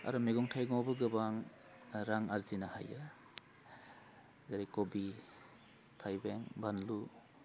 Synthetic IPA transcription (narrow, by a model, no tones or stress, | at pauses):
a̰ɾumeɡɔŋtʰajɡawbɯɡɯbaŋ | ɾaŋaɾzinaha̰ja | zaɾikobi | tʰajbeŋbanlu